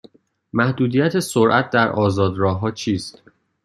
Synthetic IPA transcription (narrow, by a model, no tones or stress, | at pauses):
mæhd̪uːd̪iːjæt̪ʰesoɾʔæt̪̚ʰd̪æɾʔɒːzɒːd̪ɾɒːɦɒːt͡ʃʰiːst̪